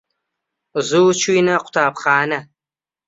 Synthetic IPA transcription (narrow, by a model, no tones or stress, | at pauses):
zuwt͡ʃʰujnɐqʷʊ̥tʰaːpχɑːnɐ